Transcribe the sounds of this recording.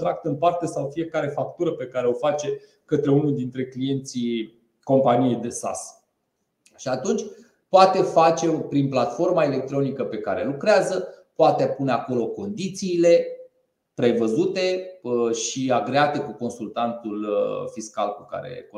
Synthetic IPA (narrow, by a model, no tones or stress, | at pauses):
t̪ɾak̚t̪ɨnpart̪e̞sawfije̞kaɾe̞fak̚t̪uɾəpe̞kaɾeo̞fat͡ʃe̞ | kət̪ɾe̞unud̪int̪ɾe̞klije̞nt̪si | ko̞mpanijejd̪e̞sa̰s | ʃiat̪unt͡ʃʲ | poat̪e̞fat͡ʃe̞pɾinplat̪fo̞rmaele̞k̚t̪ɾo̞nikəpe̞kaɾe̞lukɾeazəpoat̪epuneako̞lo̞ko̞nd̪it̪siːle̞ | pɾe̞vəzut̪e̞ʃiaɡɾeat̪e̞kuko̞nsult̪ant̪ulfiska̰lkuka̰ɾḛko